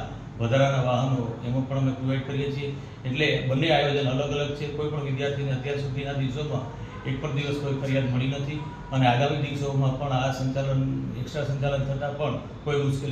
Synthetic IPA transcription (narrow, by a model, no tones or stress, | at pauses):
ʋəd̪ʱaɾanaʋaɦənoemõpəɳəmepɾuʋajʈ̚kəɾijet͡ʃʰie | eʈlebənːeajod͡ʒənələɡələɡ̚t͡ʃʰekoipəɳʋɪd̪jaɾt̪ʰineət̪jaɾsud̪ʱinad̪iʋsomã | ek̚pəɳd̪iʋəskoifəɾijad̪məɭinət̪ʰi | əneaɡamid̪iʋsoːmãpəɳasəɲt͡ʃalənḛksʈɾasəɲt͡ʃalənt̪ʰət̪apəɳ | koimʊʃkel